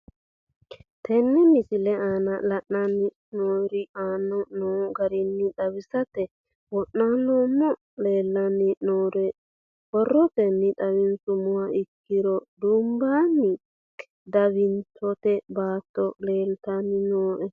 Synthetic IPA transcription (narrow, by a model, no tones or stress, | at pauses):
t̪ʰɛnːɛmɪsɪlɛaːnɐlɐʔnanɪ | noːɾɪaːnɔnoːɡɐɾɪnːɪᶑɐwɪsɐt̪ɛ | wɔʔnanoːmːɔ | le̞ːlːɐnːɪnoːɾɛ | bɔrːɔt̪ɛnːɪᶑ̪ɐwɪnsʊmʊwaɪkːɪɾɔd̪ʊmbaːnːɪ | d̪ɐβɪnt̪ʰɔt̪ɛbaːt̪ːɔle̞ːlt̪ɐnːɪnoːʔɛ